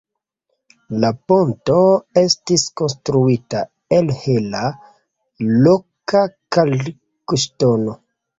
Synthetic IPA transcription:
lapontoe̞stisko̞nstɾuita | elhela | lokakal | kuʃtono

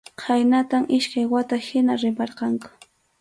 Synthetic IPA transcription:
qʰajnat̪aŋʔɪʃkajwat̪ahɪnaɾɪpɑɾqɑŋkʊ̥

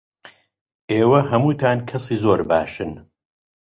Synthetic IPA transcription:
ʔeːwɐɦɐmuːt̪ʰaːnkʰɐsiːzoːɾbaːʃɨn

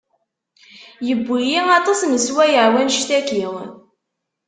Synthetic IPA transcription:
jəbʷːijiɑt̪ˤɑsməswæjəʕwænʃt̪ækiŋ

